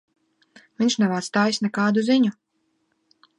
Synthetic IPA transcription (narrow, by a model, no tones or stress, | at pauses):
vʲiɲʲʃnɛvaːt̪st̪aːjisʲnɛkaːd̪uziɲu